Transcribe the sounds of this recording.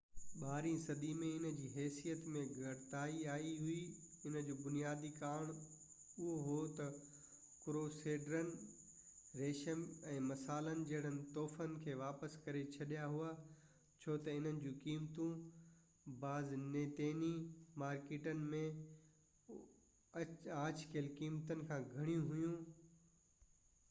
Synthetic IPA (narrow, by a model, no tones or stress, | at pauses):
ɓaːɾĩsɐd̪imẽɪnəd͡ʑiːɦɛːsijət̪mẽɡʱɐɽt̪aːiaːiɦui | ɪnəd͡ʑoːbʊnijaːd̪ikaːɽ̃ | ʊɦoɦot̪ɐ | kɾoːseːɖɾənɪ̆ | ɾeːʃəmɛ̃ːmɐsaːlənɪ̆d͡ʑɐɦɪɽ̤ənɪ̆t̪ɔːfənɪ̆kʰeːʋaːpəskɐɾet͡ɕʰɐɗijaɦua | t͡ɕʰoːt̪ɐɪn̤ənɪ̆d͡ʑũːkiːmt̪ũ | baːzneːt̪eːnimaːɾkeːʈənɪ̆mẽ | ãːt͡ɕkʰeəlkiːmt̪ənɪ̆kʰãːɡʱɐɽ̃ijũɦʊjũː